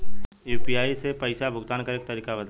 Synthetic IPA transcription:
juːpijaːisepɐɪsabʱʊɡd̪aːnkɐɾeːk̚t̪əɾiːkabɐd̪

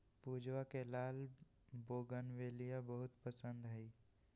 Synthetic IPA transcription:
puːd͡ʒwakelaːl | boːɡənʋeːlijabəɦʊt̪pəsə̃nd̪ɦəi

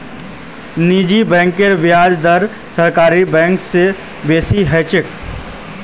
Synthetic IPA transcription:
niːd͡ʒibɛ̃ːŋkeɾʋɪaːd͡ʒd̪əɾ | sɐɾkaːɾibɛ̃ːŋkse | beːsiɦɛːt͡ʃɪk

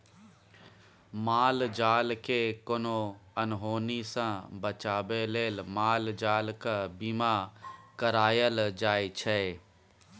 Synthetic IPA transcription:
maːld͡ʒaːlkekonoənɦoːnisãbət͡ʃaːbeleːlmaːld͡ʒaːlkabiːmakəɾaːjəld͡ʒaːit͡ʃʰɛ

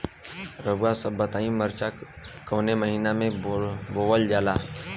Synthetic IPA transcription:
ɾəbasəbːət̪aːĩməɾt͡ʃa | koːneməɦiːnamẽboːwəld͡ʒaːlaː

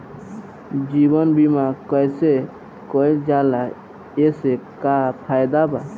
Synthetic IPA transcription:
d͡ʒibənbimakəjse | kɔld͡ʒala | esekapʰajd̪aba

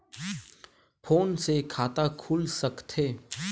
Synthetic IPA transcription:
pʰoːnsekʰaːt̪akʰuːlsəkt̪ʰeː

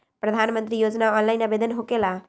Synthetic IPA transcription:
pɾɐd̪ʱaːnmə̃nt̪ɾijoːd͡ʒnaɔːnlaɪnəbeːd̪ənɦokela

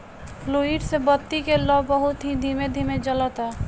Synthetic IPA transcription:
pʰloːiɖsebət̪ːikelɔbəɦʊt̪ɦid̪ʱimed̪ʱiːmed͡ʒələt̪ɛ

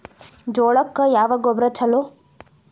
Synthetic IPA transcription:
d͡ʒoːɭɐkːɐjaːʋɐɡɔbɾɐt͡ʃʰɐlo

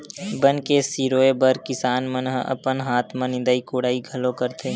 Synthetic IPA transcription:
bənkesiːɾoːebəɾkɪsaːnmənɦə̰pənɦaːt̪ʰmãnɪ̃nd̪aːikoːɽaːiɡʱɐlokəɾt̪ʰeː

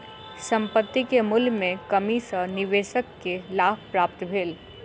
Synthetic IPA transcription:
sɐ̃mpət̪ːikemʊlmẽkɐmisənɪʋeːʃəkːelaːb̚ʰpɾaːp̚t̪bʱeːl

